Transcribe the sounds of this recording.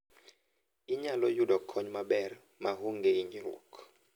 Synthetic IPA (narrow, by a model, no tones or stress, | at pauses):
iɲalɔjudɔkʰɔɲmabɛr | maɦuŋɡeiɲiɾṵk